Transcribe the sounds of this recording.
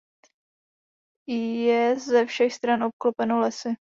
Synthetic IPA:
jɛzɛfʃɛxst̪ɾanʔop̚klopɛnolɛsɪ

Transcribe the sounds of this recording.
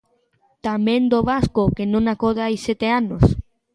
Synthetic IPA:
t̪amẽnd̪oβaskokenõŋakoðeajset̪eanos

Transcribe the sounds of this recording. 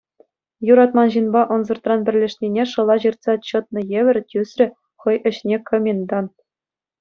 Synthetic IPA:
juɾɑt̪mɑnʑinbɑʔɤ̆nzɤ̆rt̪rɑnbʲɘ̆rʲlʲĕʂnʲinʲeʂɤ̆lˠɑʑirt̪sɑt͡ɕɤ̆t̪̚nɤ̆jeʋʲɘ̆rʲtʲysrʲɘ̆ | χɤ̆jʔɘ̆ɕnʲekʰŏmʲend̪ɑn

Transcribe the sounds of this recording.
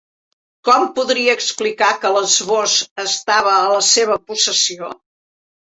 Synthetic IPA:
kɔmpuðɾiəːksplikakələzβozəst̪aβ̞əːləseβ̞əpusəsio

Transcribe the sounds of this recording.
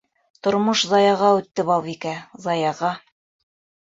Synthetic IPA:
t̪ŏɾmoʃzɑjɑʁɑʉt̪ːɘbɑlˠβikæzɑjɑʁɑ

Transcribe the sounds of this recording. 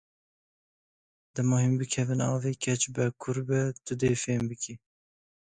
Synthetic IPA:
d̪ɨmɑɦimbɨkʰɛvɨnɑːveːkʲʰɛt͡ʃbɛkʰʊɾbɛt̪ɨd̪eːfeːmbɨkʰi

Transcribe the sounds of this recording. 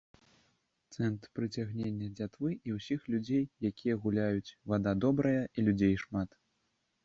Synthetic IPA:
t̪sɛnt̪pɾɨt͡sʲaɣnʲenʲːɐd͡zʲat̪vɨʔiwsʲixlʲud͡zʲejːakʲijɐɣulʲajut͡sʲvad̪ad̪ɔbɾɐjɐʔilʲud͡zʲejʂmat̪

